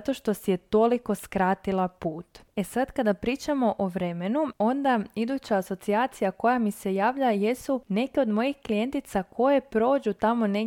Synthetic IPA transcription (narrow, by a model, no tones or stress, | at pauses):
t̪o̞ʃt̪o̞sijet̪o̞liko̞skɾaːt̪ilˠapuːt̪e̞sad̪kad̪apɾiːt͡ʃamo̞ʔoʋɾe̞me̞nuo̞nd̪aid̪uːt͡ɕaːso̞t̪siaːt̪sijako̞jamise̞jaːʋʎaje̞sune̞keo̞d̪mo̞jixklije̞nt̪it̪sakʰo̞jepɾo̞ːd͡ʑut̪amo̞ne